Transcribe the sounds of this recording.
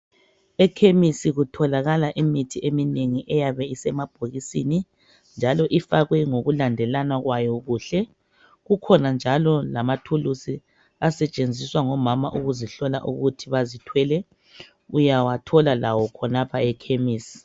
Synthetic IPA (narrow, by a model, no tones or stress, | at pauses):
ɛkʰemisiɣutʰɔlaɣalaʔimitʰiʔemineŋiʔɛjaβɛisɛmab̥ʱoɣisḭni | nd͡ʒʱalɔʔifaɣwɛŋoɣulandʱɛlanaɣwajɔɣuɬɛ | ɣukʰɔnand͡ʒʱalɔlamatʰulusi | asɛt͡ʃʼend͡zʱiswaŋɔmama̰ʔuɣuziɬɔla̰ʔuɣutʰiβazitʰwɛlɛ | ujawatʰɔlalawɔkʰɔnapʰaɛkʰemiːsi̥